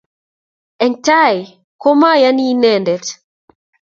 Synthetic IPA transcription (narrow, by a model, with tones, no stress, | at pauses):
ɛ˨nta˦j | kɔ˦ma˦ja˦ni˦nɛ˨ndɛ˨t